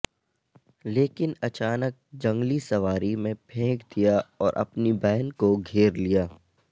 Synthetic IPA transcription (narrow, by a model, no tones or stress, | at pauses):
leːkɪnɐt͡ʃaːnək̚d͡ʒɐ̃ŋɡlisɐʋaːɾimẽpʰẽːɡd̪ijaɔːɾʔɐ̰pnibɛːnkoɡʱeːɾlijaː